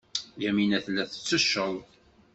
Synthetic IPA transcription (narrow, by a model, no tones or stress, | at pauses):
jæminæθlːæθə̥t͡sːəʃːəðˤ